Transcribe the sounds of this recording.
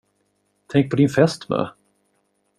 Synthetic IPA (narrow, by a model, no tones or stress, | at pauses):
t̪ʰɛŋk̚pʰɔd̪ɪnfɛst̪mœ̰ː